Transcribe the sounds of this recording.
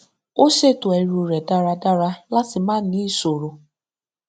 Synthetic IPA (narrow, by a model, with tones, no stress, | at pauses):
o˦se˦˨to˨e˨˦ɾu˨ɾe˨da˦ɾa˨da˦ɾa˦la˦sɪ˨ma˦ni˦so˨ɾo˨